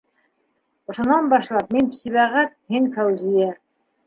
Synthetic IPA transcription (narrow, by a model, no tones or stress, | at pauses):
ŏʃŏnɑnbɑʃlˠɑp̚minsiβæʁæt̪̚hiŋfæwzijæ